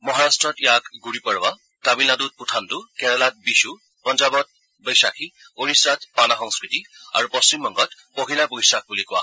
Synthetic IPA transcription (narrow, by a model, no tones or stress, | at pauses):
mɔɦaɹastɹɔtjakɡuɹipɔɹwa | tabilnadut̚putʰantukɛɹɛlat̚bisu | pɔnd͡ʒabɔt̪̚ | bəjsakʰi | oɹisɹat̚panaxɔŋskɹitia̰ɹupɔst͡ʃimːɔŋɡɔt | poɦilapojsak̚bulikʊwa̰